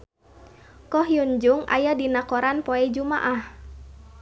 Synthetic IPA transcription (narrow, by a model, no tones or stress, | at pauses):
kɔhjund͡ʒuŋa̰jadinakɔɾanpɔɛd͡ʒumaʔah